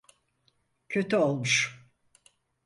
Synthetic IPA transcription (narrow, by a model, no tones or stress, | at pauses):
cʰøt̪ʰyolˠmuʃ